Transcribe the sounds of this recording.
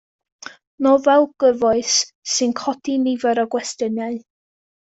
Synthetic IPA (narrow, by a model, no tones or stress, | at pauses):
nɔvɛlˠɡ̥əvɔɨsː | ɨnkʰɔd̥inivɛɾɔɡwɛstənjaɨ